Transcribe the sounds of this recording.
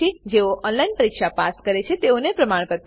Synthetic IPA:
id͡ʒeoʔɔnlajnpəɾikʃapaskəɾet͡ʃʰet̪eonepɾəmaɽ̃kəɾt̪

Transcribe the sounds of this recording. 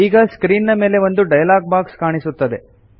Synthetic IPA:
iːɡɐskɾiːnːɐme̞ːle̞ʋond̪uɖɐjɐlaːɡ̚baːkskaːɳisut̪ːɐd̪e̞

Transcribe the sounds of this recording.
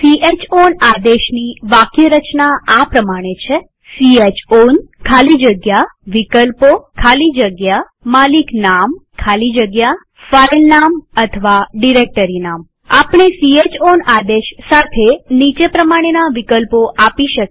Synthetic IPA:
siet͡ʃonad̪eʃniʋakjəɾət͡ʃnaapɾəmaɽ̃et͡ʃʰe | siet͡ʃonkʰalid͡ʒəɡjaʋikəlpokʰalid͡ʒəɡja | maliknamkʰalid͡ʒəɡja | failnamət̪ʰəʋaɖiɾek̚ʈəɾinam | apɳ̃esiet͡ʃonad̪eʃsat̪ʰenit͡ʃepɾəmaɽ̃enaʋikəlpoʔapiʃək

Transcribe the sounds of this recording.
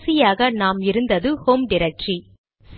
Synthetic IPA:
sɪjaːɣɐnaːmɪɾɯnd̪ɐðɯhoːmɖɪɾɐk̚ʈt͡ʃi | s

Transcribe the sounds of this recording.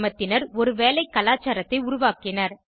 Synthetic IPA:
mɐt̪ːɪnɐɾɔɾɯʋeːlɐɪkːɐlaːt͡ʃːaːɾɐt̪ːɐɪʊɾʊʋaːkɪnɐɾ

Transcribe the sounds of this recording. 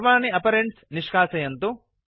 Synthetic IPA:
ʋaːniɐpɐɾeɳʈsniʂkaːsɐjɐnt̪u

